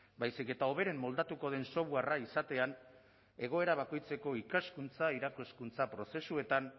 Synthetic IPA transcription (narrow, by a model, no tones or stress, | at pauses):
bajsike̞t̪ao̞βe̞ɾe̞mːo̞ld̪at̪uko̞ð̞e̞nso̞βuaraisat̪e̞an | e̞ɣ̞o̞e̞ɾaβ̞ako̞jt͡se̞ko̞ikaskunt͡saiɾakoskunt͡sapɾo̞se̞sue̞t̪an